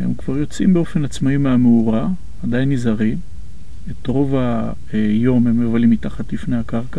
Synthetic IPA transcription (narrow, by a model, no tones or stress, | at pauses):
hḛmkv̥aʁjo̞t͡simbeo̞fe̞nat͡smaimeameuʁa | adajnizaʁi | etʁo̞va | jo̞memːevalimitaχatlifnehakaʁka